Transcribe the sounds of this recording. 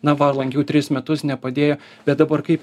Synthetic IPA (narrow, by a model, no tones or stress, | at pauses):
nɐʋɐɾlˠɐŋʲɡʲɛʊt̪ʲɾʲɪsmʲɛt̪ʊsnʲɛpɐd̪ʲeːjoː | bʲɛt̪̚d̪ɐbɐɾkɐɪp